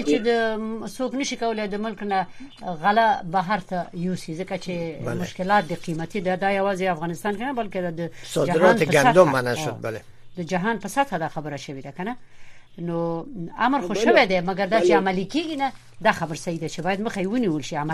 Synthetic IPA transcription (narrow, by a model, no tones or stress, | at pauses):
t͡ʃed̪əsoknəʃikawəled̪əmʊlknaɣalabaɦaɾt̪ajusizəkat͡ʃealmʊʃkɪlɑt̪̚d̪eqimat̪id̪ad̪ɑjawɑzeafɣɑnɪst̪ɑnkenabalked̪ad̪əsɔdd͡ʒaɪɾɑnepəɡaad̪omːanaʃod̪̚bale | d̪əd͡ʒaɦɑnpəsat̪ʰad̪ɑxabəɾaʃəwed̪akana | noamɾxoʃəwed̪ɛmaɡaɾd̪ɑt͡ʃeamalikeɡina | d̪ɑxabəɾsawid̪et͡ʃebɑjad̪məxaewəniwəlʃiama